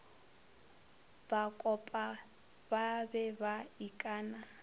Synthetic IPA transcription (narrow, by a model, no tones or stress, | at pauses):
b̥akʼɔpʼa | babɛbaikʼaːna